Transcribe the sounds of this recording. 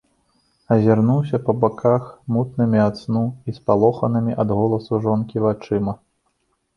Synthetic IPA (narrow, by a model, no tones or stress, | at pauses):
ɐzʲarnuwsʲɐpɐbakʰaxmut̪nɨmʲiat̪snuispalˠɔxɐnɨmʲiʔɐd̪ɣɔlˠɐsuʐɔnkʲivat͡ʂɨmɐ